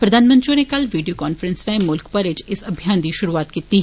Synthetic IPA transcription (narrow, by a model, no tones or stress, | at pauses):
pɾɐd̪ʱaːnmɐ̃nt̪ɾõnekɐlʋiːɖijoːkaːnfəɾə̃nsnamʊlkpɐɾɪd͡ʒɪsɐbʱjaːnd̪iʃʊɾuaːt̪kiːt̪i